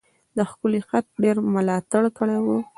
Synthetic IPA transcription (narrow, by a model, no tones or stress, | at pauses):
d̪əxkʊlixat̪̚ɖeɾmʊlɑt̪aɽkəɽawu